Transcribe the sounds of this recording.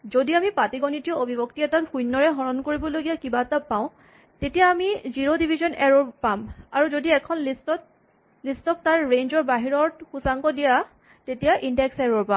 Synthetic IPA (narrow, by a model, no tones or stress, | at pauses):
zodiamipatiɡɔnitiɔobʱibɔktiɛtatxujnːɔɹɛɦɔɹɔnkoɹibɔloɡijakibatapaʊ̃ | tetijaːmiziɹodibʱizɔnɛɹoɹpamaɹuzodiɛkʰɔnlistɔt | listɔk̚taɹɹenzɔɹbaɦiɹɔɹxusaŋkɔdija | tetijaʔindɛksɛɹoɹpãm